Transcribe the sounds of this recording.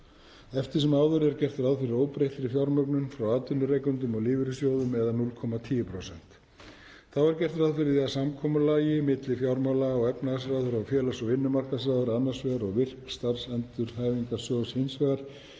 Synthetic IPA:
ɛft̪ɪɾ̥sɛmaːwðʏɾɛɾcɛr̥t̪ɾawðfɪɾɪɾoːwpɾeht̪ɪɾɪfjawɾmœknʏnfɾawaːt̪ʏnːʏɾejkʏnt̪ʏmɔɣlɪːvɪɾʏsjoːwðʏmɛðanulkʰɔmat̪ʰiːjʏpʰɾowsɛn̥t̪ | θawɛɾcɛr̥t̪ɾaðfɪɾɪðiasamkʰɔːmʏlaːjɪmɪt̪lɪfjawɾmawlaɔɣɛpnaɣasɾawðʏɾawfjɛːlasɔɣɪnːʏmar̥kas̬aːðʏɾanːasvɛɣaɾɔɣvɪr̥kst̪ar̥sɛnt̪ʏɾ̥haːjviŋkasjɔːwshensvɛɣaɾ̥

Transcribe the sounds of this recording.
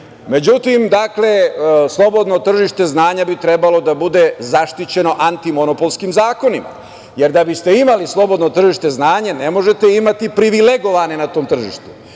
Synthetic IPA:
me̞d͡ʑut̪imd̪akle̞slˠo̞bo̞d̪not̪r̩ʒiʃt̪e̞znaːɲabit̪ɾebalo̞d̪abud̪ezaʃt̪it͡ɕe̞no̞ʔant̪imo̞nopolˠskimzaːko̞nima̰ | je̞ɾd̪abist̪e̞imalislˠo̞bo̞d̪not̪r̩ʒiʃt̪e̞znaːɲenemo̞ʒe̞t̪e̞imat̪ipɾiʋileɡo̞ʋanenat̪o̞ːmt̪r̩ʒḭʃt̪u̥

